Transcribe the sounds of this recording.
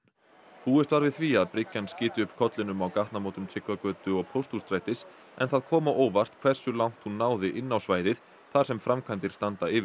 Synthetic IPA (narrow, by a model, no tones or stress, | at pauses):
huːɛst̪vaɾvɪðθviaðpɾɪcːanscɪːt̪ɪʏpkʰɔt̪lɪnʏmawkaht̪namoːwt̪ʏmt̪ʰɾɪkvakœːt̪ʏɔɣpʰowr̥t̪ust̪ɾaːjt̪ɪs | ɛ̰nθaðkʰɔːmawʔoːwvar̥t̪kʰv̥ɛr̥sʏlawŋ̥t̪hunːaːwðɪʔɪnːawsvaːjðɪð | θḁsɛmfɾʔamkʰvajnt̪ɪɾ̥st̪ant̪aɪːvɪ